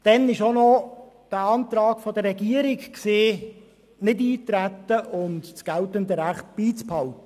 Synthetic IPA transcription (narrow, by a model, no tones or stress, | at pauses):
d̥ɛnɪʃonɔd̥əɑnt̪ɾɑːkfɔd̪əɾɛɡiəɾɪkkseː | nɪdiːt̪ɾæt̪ːəʔʊntsɡ̥æltəndəɾæχt̚b̥iːt͡sphɑltəə